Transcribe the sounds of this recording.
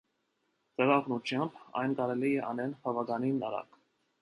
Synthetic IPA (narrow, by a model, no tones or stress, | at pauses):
t͡sɛʁɑʁnut͡ʃʰjɑmbɑ̰jnkɑɾɛlijɛʔɑnɛnbɑvɑɡɑninɑɾɑ̰k